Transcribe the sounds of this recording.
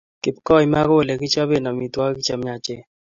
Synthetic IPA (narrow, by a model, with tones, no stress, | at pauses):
kɪ˨pkɔ˦jma˦ko˦˨lɛ˨kɪ˦t͡ʃa˦be˦˨na˨mi˨twa˦ki˦t͡ʃa˨mɲa˨t͡ʃe˦